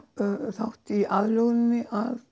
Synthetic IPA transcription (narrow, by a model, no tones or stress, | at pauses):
θawht̪iʔaðlɔɣnɪnːɪʔað